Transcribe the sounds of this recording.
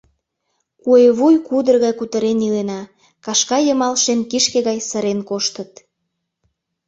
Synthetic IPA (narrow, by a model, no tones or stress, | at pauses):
kueβujkud̪ərɣɑjkut̪əɾenilenɑ | kɑʃkɑjəmɑlʃenkiʃkeɣɑjsəɾenkoʃt̪ət̪